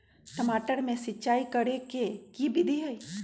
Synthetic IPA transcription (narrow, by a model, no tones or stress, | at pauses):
ʈəmaːʈəɾmẽsɪːt͡ʃaːikəɾekekibʱid̪ʱiɦəi